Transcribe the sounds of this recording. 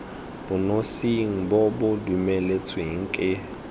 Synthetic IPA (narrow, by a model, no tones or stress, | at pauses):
b̥ʊnosiŋ̩bobʊdumelet͡sʰweŋ̩kʼɪ